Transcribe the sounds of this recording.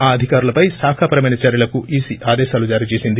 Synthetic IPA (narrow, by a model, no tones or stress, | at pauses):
aːɐd̪ʱikaːɾulɐpɐjsaːkʰapɐɾɐmɐjnɐt͡ʃɐːɾjɐlɐkuiːsiʔaːd̪ɛːʃaːlud͡ʒaːɾiːt͡ʃeːsind̪i